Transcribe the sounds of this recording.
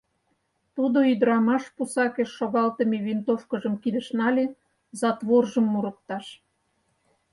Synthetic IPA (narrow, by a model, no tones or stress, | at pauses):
t̪ud̪oyd̪əɾɑmɑʃpusɑkeʃːoɣɑlt̪əmeβint̪ofkə̆ʒə̆mkid̪ə̆ʃnɑlʲe | zɑt̪βorʒəmːuɾə̆k̚t̪ɑʃ